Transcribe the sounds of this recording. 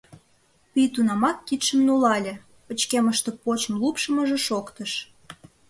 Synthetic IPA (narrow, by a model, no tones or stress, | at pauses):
pijt̪unɑmɑk̚kit̪ʃəmnulɑlʲĕ | ət͡ɕkeməʃt̪epot͡ɕəmlupʃəməʒĕʃokt̪əʃ